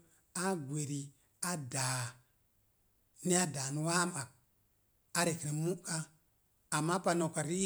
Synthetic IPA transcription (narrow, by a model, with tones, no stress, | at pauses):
a˦ɡʷe˨ɾi˨ | a˦da˨ | ni˦a˦da˨nu˨˦wa˦ma˨k̚ | a˦ɾe˨kɾi˨mu˦kaː˦˨ | mːa˦pa˨no˨ka˨ɾi˦